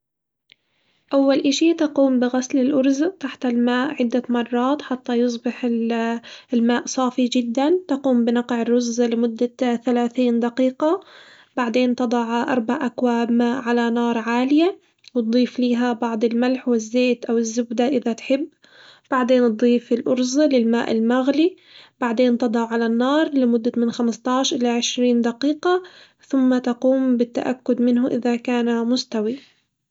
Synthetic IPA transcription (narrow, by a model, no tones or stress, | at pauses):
ʔawːalʔɪʃit̪ɑquːmbɪɣaslɪlʔʊɾzʔt̪aħt̪ɪlmaːʔʕɪd̪ːamɑrˤːɑːt̪ħat̪ːajɨs̬ˤbɪħɪ | lmaːʔsˤɑːfid͡ʒɪd̪ːant̪ɑquːmbɪnɑqʕɪrːʊzːlɪmʊd̪ːaθalaːθiːnd̪aqiːqɑ | baʕd̪eːnt̪ɨd̪ˤɑʕʔɑ̰ɾˤbaʕʔakwaːbmaːʔʕalanɑːɾˤʕaːlɪja | wɨt̪̚d̪ˤiːfliːɦabɑʕd̪ˤɪlmalħwɪzːeːt̪ʔawɪzːʊbd̪aʔɪðat̪ħɪbː | b̥aʕd̪eːnt̪̚d̪ˤiːfɪlʔʊɾzɑlɪlma̰ːʔɪlmaɣli | baʕd̪eːnt̪ɨd̪ˤɑʕʕalanːɑːɾˤlɪmʊd̪ːamɪnxamst̪ɑʕʃʔɪlaʕɪʃɾiːnd̪aqiːqɑ | θʊmːat̪ɑquːmbɪt̪ːa̰ʔakːʊd̪mɪnɦʊʔɪðakaːnamʊst̪awi